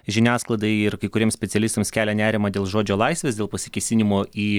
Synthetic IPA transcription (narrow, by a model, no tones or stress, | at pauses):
ʒʲɪnʲæːsklˠɐd̪ɐɪɪɾkɐɪkʊɾʲiɛmsʲpʲɛtsʲɛlʲɪst̪omskʲæːlʲɛnʲæːɾʲɪmɐd̪ʲeːlˠʒoːd͡ʒʲoːlˠɐɪsʲʋʲeːsd̪ʲeːlˠpɐsʲɪkʲɛɪsʲɪnʲɪmoːiː